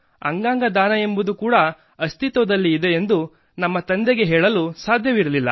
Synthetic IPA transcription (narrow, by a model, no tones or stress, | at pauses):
ɐ̰ŋɡaːŋɡɐd̪aːnɐe̞mbud̪ukuːɽɐ | ɐst̪ʰit̪ʋɐd̪ɐlːiːd̪e̞ːnd̪u | nɐmːɐt̪ɐnd̪eɡe̞ɦɛːɭɐlusaːd̪ʱjɐʋiɾɐlilːɐ̰